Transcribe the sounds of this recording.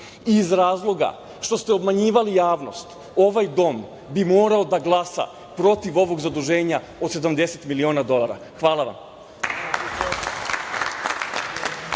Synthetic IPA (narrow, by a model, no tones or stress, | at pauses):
iːzɾaːzlˠo̞ɡa̰ | ʃt̪o̞st̪eobmaɲiːʋalijaːʋno̞̰st̪ | o̞ʋajd̪o̞m | bimo̞ːɾaod̪aɡlˠasa̰ | pɾo̞t̪iʋo̞ʋo̞ɡzad̪uʒe̞ːɲa | o̞d̪se̞d̪amd̪e̞se̞t̪milio̞ːnad̪o̞lˠaɾa̰ | xʋaːlˠaʋa̰m